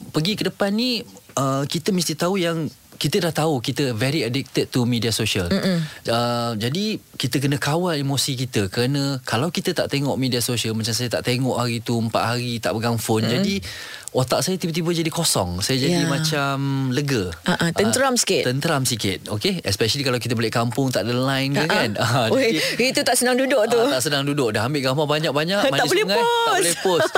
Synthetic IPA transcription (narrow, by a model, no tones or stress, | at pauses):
pəɡikədəpanːiəkit̪əmist̪iht̪aujaŋkit̪ədaht̪aukit̪əvɛɾiədɪk̚t̪əd̪̚t̪umidiasoʃələd͡ʒadikit̪ək̬ənə̃kawalimosikit̪əkəɾanə̃kalawkit̪ət̪a̰ʔt̪eŋɔʔmidiasosiəlmat͡ʃamsajat̪a̰ʔt̪eŋɔʔhaɾit̪uəmpa̰ʔhaɾit̪a̰ʔbəɡaŋfʊnd͡ʒadi | ot̪aʔsajat̪ibət̪̬ibəd͡ʒadikosɔ̰ŋsajad͡ʒadimãt͡ʃamləɡəaʔat̪ənəɾamsi̥kɪt̪ənt̪əɾamsikɪt̪̚okeɛspɛʃəlikalawkit̪əboleʔkampʊŋt̪aʔdəlajnkakanaiit̪ut̪aʔsənaŋdudʊʔ̚t̪uaʔsənaŋdudʊʔ̚daɦambɪʔɡaŋfabaɲak̚baɲaʔmataibolɛhŋãj̪aslɛpo